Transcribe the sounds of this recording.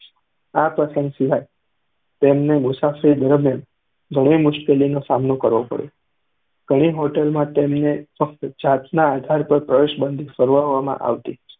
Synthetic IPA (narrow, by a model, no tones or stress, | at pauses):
apɾəsə̃ŋɡsɪʋaj | t̪emnemʊsafəɾid̪əɾmjan | ɡʱəɽ̃emʊʃkelinosamnokəɾʋopə̰ɽjo | ɡ̥ʱəɽ̃iɦoʈəlmãt̪emnefək̚t̪d͡ʒat̪naːd̪ʱaɾpəɾpɾəʋeʃbənd̪ʱisəɾʋəʋamã̰ʔa̰ʋt̪i